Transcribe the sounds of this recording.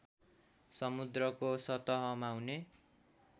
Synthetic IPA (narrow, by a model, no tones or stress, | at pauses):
sʌmud̪rʌkosʌt̪ʌɦʌmawne